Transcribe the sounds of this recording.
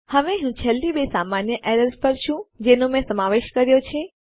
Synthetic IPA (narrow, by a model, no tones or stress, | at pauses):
hɐʋẽɦũt͡ɕʰɛld̪iɓesaːmaːnjəʔeːɾəɾzpəɾʃʰũd͡ʑeːnõmẽsɐmaːʋeːʃkɐɾijot͡ʃʰe